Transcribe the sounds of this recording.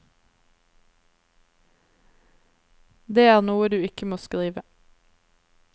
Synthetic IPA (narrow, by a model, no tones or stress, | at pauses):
d̪eːæːʁnuːəd̪ʉːɪkəmoːskʁiːʋə